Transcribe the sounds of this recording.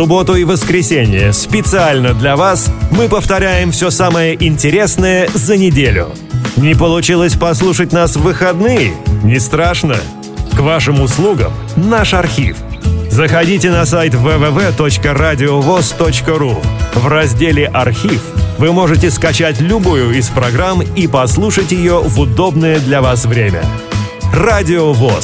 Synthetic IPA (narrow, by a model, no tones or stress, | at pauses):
sʊbo̞t̪ʊɪvəskɾʲɪsʲenʲɪjəspʲɪt̪sɨalʲnəd̪lʲɐvasmɨpəft̪ɐɾʲæjɪmfsʲosaməjəʔɪnʲtʲɪɾʲe̞snəjəzənʲɪdʲelʲʊ̰ | nʲɪpəlˠʊt͡ɕilˠəsʲpɐslˠuʂət̚ʲnasvɨxɐd̪nɨjɪnʲɪst̪ɾaʂnə̰ | kvaʂɨmʊslˠuɡə̰mnaʂɐrxʲḭfzəxɐdʲitʲɪnɐsajt̪ʲvɛvɛvɛt̪o̞t͡ɕkəradʲɪovost̪ot͡ɕkəɾuvrɐzʲdʲelʲɪʔɐrxʲifvɨmo̞ʐɨtʲɪskɐt͡ɕætʲlʲʊbujʊispɾɐɡɾamipɐslˠuʂətʲjɪjovʊd̪o̞bnəjəd̪lʲɐvasvɾʲemʲə̰ | radʲɪovos